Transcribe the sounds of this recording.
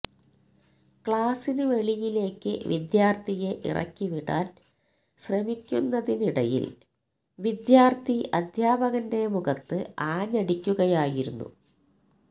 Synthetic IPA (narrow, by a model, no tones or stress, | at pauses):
kɭaːsinɨʋe̞ɭijile̞ːkːɨʋid̪jaːrt̪ʰije̞ʔḭrʔɐ̰kʲːiʋiɽa̰ːn | ɕrɐmikʲːunːɐðiniɽɐjḭl | ʋid̪jaːrt̪ʰiʔɐd̪ʱjaːbɐɣɐnde̞muɣɐt̪ːɨaːɲɐɽikʲːuɣɐjaːjiɾunːṵ